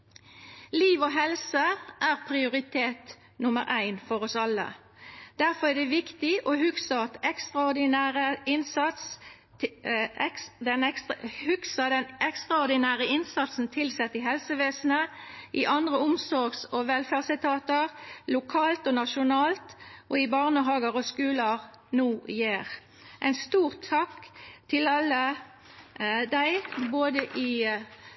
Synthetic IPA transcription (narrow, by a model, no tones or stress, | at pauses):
liːʋɔɦɛlsəʔæːʁpʰʁɪʊʁɪt̪ʰeːt̪ | nʊməʁæɪnfɔʁɔsɑlːə̰ | d̪̥æʁfɔʁæd̪ɛʋɪkt̪ɪʔohʉksəɑt̪ɛkst̪ʁɑʊd̪ɪnæːʁəɪnsɑt̪s | d̪ɛnɛhʉksəd̪ɛnɛkst̪ʁɑʊʁd̪ɪnæːʁəɪnsɑt̪sn̩t̪ʰɪlsɛt̪ːɪɦɛlsəʋeːsn̩əʔɪʔɑnd̪ʁəʊmsɔʁɡsɔʋɛlfæːʁsɪt̪ʰɑːt̪əʁlʊkʰɑːlt̪ɔnɑʃʊnɑːlt̪ʔɔɪbɑʁnəɦɑːɡəʁɔskʉːləʁ | nuːjeːʁ | ʔæɪnst̪uːʁt̪ʰːɑkːt̪ʰɪlɑlːə | d̪æɪboːd̪əʔɪ